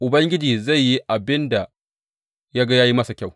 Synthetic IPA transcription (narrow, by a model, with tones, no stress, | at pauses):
ʔʊ˨bɐ˦ŋɡʲɪ˦d͡ʒiː˨za˦˨jːi˦ʔa˨bɪ˦nda˨ | ja˦ɡa˦jaː˦ji˦mɐ˦sa˨kʲa˦˨w